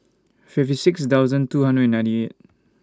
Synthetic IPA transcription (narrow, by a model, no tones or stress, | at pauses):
pʰif̚tisikstʰawzɐntuɦɐndɾɛd̚nãjntiet̚